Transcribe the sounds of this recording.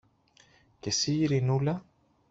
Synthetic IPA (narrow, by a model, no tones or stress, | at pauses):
ce̞siiɾinulɐ